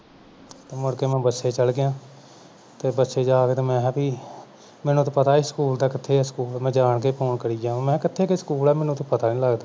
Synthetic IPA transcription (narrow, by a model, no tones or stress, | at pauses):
t̪eːmʊɽkeːmɛ̃ːbətːʃeːt͡ʃəlɡɪjãː | t̪eːbətːʃeːd͡ʒaːkeːt̪eːmɛ̃ːpiː | mɛːnũːt̪õːpət̪aːɪsə̥kuːld̪aːkɪt̪ʰːeːɛːskuːlːmɛ̃ːd͡ʒaːɳkeːpoːɳkəɾiːd͡ʒãːmɛ̃ːkɪt̪ʰːeːkesəkuːlɛːmɛːnũt̪õːpət̪aːnĩːləɡd̪aː